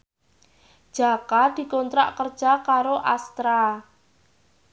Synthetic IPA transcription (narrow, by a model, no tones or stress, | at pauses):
d̥ʒ̥a̤kad̪̥i̤kɔnt̪ɾa̰ʔkərd̥ʒ̥akaɾoʔast̪ɾa